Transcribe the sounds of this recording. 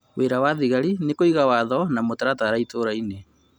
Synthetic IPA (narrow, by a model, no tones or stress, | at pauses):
weɾawaðiɣaɾinekoiɣawaðɔnamotaɾataɾaitoɾaine